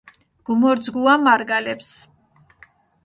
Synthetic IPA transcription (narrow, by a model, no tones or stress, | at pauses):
ɡ̥umɔɾd̪zɡuamaɾɡalɛps